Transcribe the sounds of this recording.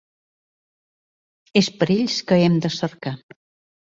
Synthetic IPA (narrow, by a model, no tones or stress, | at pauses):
espəɾeʎskəɛmd̪əsəɾka